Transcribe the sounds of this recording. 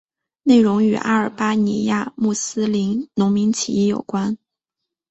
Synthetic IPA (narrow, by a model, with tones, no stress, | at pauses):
ne˥˩ɪɻʊ˧˥ŋy̰˨˩ʔa̰˥ə˞˨˩pa˥ni˧˥ja˥˧mu˥˩sɹ̩˥li˧˥nnʊ˧˥ŋmi˧˥ŋt͡ɕʰḭ˧˥i˥˩jo̰˨˩ʊkwa˥n